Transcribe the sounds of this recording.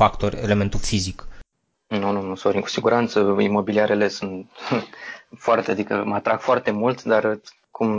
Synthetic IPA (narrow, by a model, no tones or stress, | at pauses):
fakt̪oɾʲḛle̞me̞nt̪ulfizik | nununusoɾimku̥siɡuɾʔant̪səimo̞biliaɾʔe̞le̞sunt̪ | foart̪ead̪ikə̰mat̪ɾaɡ̥foart̪e̞mult̪d̪ar | kum